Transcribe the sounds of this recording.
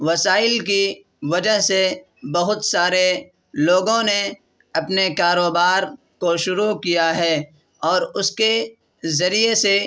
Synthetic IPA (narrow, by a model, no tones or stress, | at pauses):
ʋɐsaːɪlk̬i | ʋɐd͡ʒəɦse | bɐɦʊt̪saːɾe | loːɡõne | ɐpnekaːɾoːbaːɾ | koʃʊɾukijaɦɛː | ɔːɾʊske | zɐɾijese